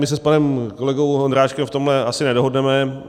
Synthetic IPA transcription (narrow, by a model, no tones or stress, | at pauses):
mɪs̬ɛspanɛmko̞lɛɡo̞wɦond̪ɾaːʃkɛmft̪o̞mɦlɛasɪnɛdo̞ɦodnɛmɛ